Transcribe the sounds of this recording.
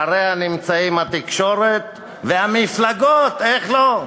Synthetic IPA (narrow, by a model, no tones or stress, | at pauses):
aɾeanimt͡saimhat̪ikʃo̞ɾet̪̚ | veamiflaɡot̪eχlo